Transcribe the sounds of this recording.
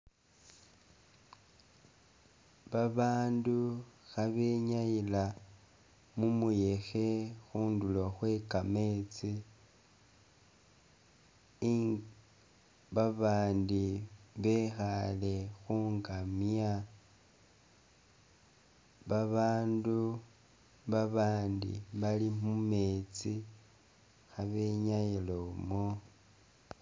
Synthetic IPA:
βaβaːnduxaβe̞ɲajila | mumuje̞xe̞xuːndulo̞xwe̞kame̞t͡si | βaβaːndiβe̞xale̞xuːŋɡamja | βaβaːndu | βaβaːndḭβalimume̞t͡si | xaβe̞ɲajilomo

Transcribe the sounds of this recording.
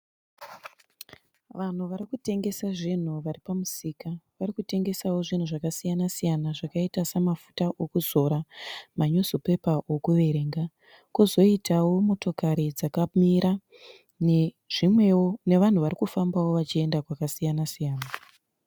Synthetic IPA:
ʋan̤uʋaɾikute̞ŋɡe̞saʐin̤uʋaripamusiːkaʋarikute̞ŋɡe̞sawo̞ʐin̤uʐakasijanasijanaʐakaitasamafutaʔo̞kuzo̞ɾamaɲosope̞paʔokuʋe̞ɾe̞ːŋɡa | kuzo̞itʰawo̞mo̞to̞kaɾid͡zakamiɾa | ne | ʐ̥imweone̞ʋan̤uʋaɾikufambawo̞ʋat͡ʃie̞ndakwakasijanasijaːna

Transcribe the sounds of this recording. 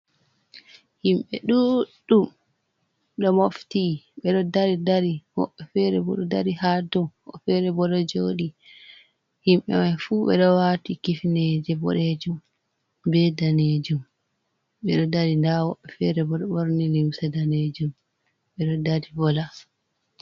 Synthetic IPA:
himɓɛɗuɗum | ɗɔmoftiɓɛɗɔdaɾidaɾiwɔ̰ɓːɛfɛɾɛbɔ̰ɗɔdaɾihadɔmɔ̰fɛɾɛbɔlɔd͡ʒoɗi | himɓɛ̰majfuːɓɛ̰ɗɔwatikifnɛd͡ʒɛbɔ̰ɗed͡ʒum | bɛdaned͡ʒum | ɓɛɗɔdaɾindawɔɓːɛfɛɾɛbɔɗɔɓoɾniliwsadaned͡ʒum | ɓɛɗɔdaɾibɔla

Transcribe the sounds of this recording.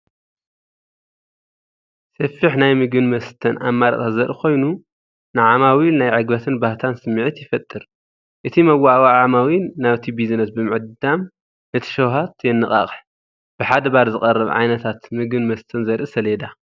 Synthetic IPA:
sɐfːiħnajmɨɡɨnmɐst̪ʰɐnʔa̰mːaɾɐ̰t̪ʼazɐɾɨkʰo̞jnu | nɨʕamawinajʕɨɡbɐt̪ʰɨnbaht̪ʰansɨmːiʕit̪jɪfɐt̪ʼːɨɾ | ʔɨt̪ʰimɐwawaʕamawinːaβt̪ʰibizɨnɐsbɨmɨʕɨd̪d̪am | nɐt̪ʰɐ̥ʃɐwɦat̪jɛnːɨχʼa̰χʼħ | b̥ɨħad̪ɐbaɾzɨkʼɐrːɐβʕa̰jnɐt̪ʰat̪mɨɡɨnmɐst̪ʰɐnzɐɾʔɨsɐled̪a

